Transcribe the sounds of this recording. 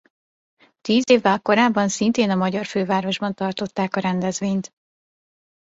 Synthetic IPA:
t̪iːzeːvːɛlko̞ɾaːbːɒnsint̪eːnɒmɒɟɒrføːvaːɾo̞ʒbɒnt̪ɒrt̪o̞t̪ːaːkɒɾɛnd̪ɛzʋeːɲt̪

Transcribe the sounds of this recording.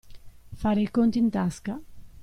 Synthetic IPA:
faːɾeikont̪iint̪aska

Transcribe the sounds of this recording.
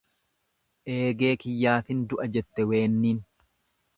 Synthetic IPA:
ʔe̞ːɡe̞ːkɪjːaːfɪnd̪ʊʔɐd͡ʒɛt̪ːɛwe̞ːnːiːn

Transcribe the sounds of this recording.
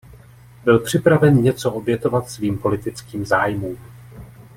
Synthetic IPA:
bɪlpr̝̥ɪpɾavɛnɲɛt͡so̞ʔo̞bjɛt̪o̞vat̪sviːmpo̞lɪt̪ɪt͡skiːmzaːjmuːm

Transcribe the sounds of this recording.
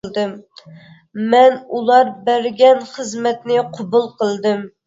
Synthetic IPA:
d̪ɨm | mɛnulˠɑɾbæɾɡʲɛnχəzmɛt̪nɪqʰobulˠqʰəlˠd̪ɨm

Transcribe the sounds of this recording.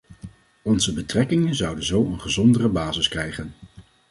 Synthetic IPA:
ɔnzəbətrɛkɪŋənzʌwdənzowənχəzɔndərəbaːzɪskrɛjχən

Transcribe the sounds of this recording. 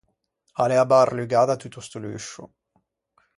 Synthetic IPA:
alɛabarlyɡad̪at̪ut̪ust̪ulyʃṵ

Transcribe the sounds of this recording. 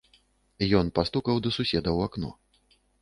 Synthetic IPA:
jɔnpast̪ukɐwd̪ɐsusʲɛd̪ɐwaknɔ̰

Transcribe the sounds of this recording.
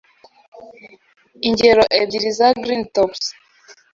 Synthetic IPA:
iɲɟeɾɔʔebiɾizaɡɾintɔps

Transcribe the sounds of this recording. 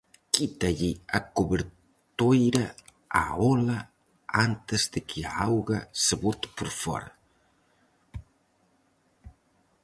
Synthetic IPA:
kit̪aʎiakoβeɾ | t̪ojɾa | a̰ola | ant̪ezd̪ekʰiaawɣaseβot̪u̥poɾfɔ̰ɾa

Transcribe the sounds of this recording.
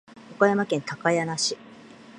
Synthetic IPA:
okajamakẽ̞nt̪akajanaɕi

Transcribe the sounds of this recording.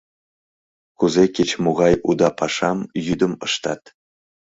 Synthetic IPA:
kuzeket͡ɕmoɣɑjud̪ɑpɑʃɑmjyd̪əməʃt̪ɑ̰t̪

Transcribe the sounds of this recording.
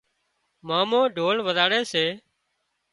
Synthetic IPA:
maːmõːɖʱoːlʋəd̪aːɽeːseː

